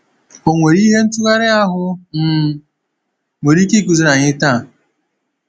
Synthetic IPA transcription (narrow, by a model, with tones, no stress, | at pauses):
o˨ŋʷe˨ɾi˦ɦe˦n̩˦tu˦ɣa˦ɾɪ˦a˦ɦʊ˦m̩ː˦ | ŋʷe˨ɾi˦ki˦ku˨zi˦na˨ɲɪ˦ta˦˨